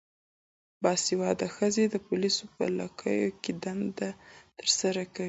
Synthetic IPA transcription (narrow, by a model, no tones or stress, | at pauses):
bɑsiwɑd̪axəzed̪əpʊlisopə̰la̰kʰə̰joked̪and̪at̪əɾsaɾakawi